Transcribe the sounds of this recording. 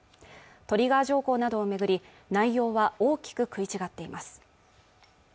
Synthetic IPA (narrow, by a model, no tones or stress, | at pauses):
t̪o̞ɾʲiɡaːʑo̞ːko̞ːnad̪o̞ːme̞ɡɯ̟ɾʲi | naijo̞ːβaoːkʲi̥kɯ̟kɯ̟it͡ɕiɡat̪ːe̞imasɨ̥